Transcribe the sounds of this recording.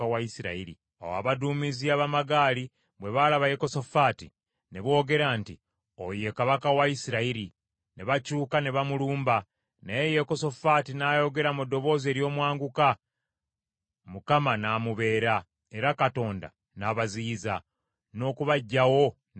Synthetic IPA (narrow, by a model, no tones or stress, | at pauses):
awaisiɾa̰iɾḭ | a̰wa̰βaduːmiziaβamaɡaːli | βwe̞βalaβaje̞ko̞sofaːtḭ | ne̞βo̞ːɡe̞ɾaːnti | oje̞kaβakawaisiɾaiɾi | neβacuːkane̞βamuluːmba | naejekoso̞faːtinajo̞ɡe̞ɾamudːo̞βo̞ːze̞ːɾjo̞ːmwaːŋɡuka | mukamanaːmuβe̞ːɾa | e̞ɾakato̞ːnda̰ | naβaziːza | no̞ːkuβaɟːawo̞